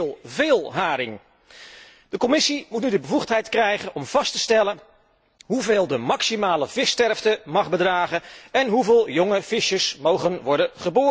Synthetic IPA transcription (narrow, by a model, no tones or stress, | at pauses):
lˠvɪːlˠɦaːɾɪŋ | d̥əkɔmɪsimutnydəbəvuχtɦɛjtkrɛjχənʔɔmv̥ɑstəstɛlən | ɦuveːlˠdəmɑksimaːləvɪstɛɹftəmɑχbədraːχənɛnɦuveːlˠjɔŋəv̥ɪʃəsmowχənʋɔɹdənχəboː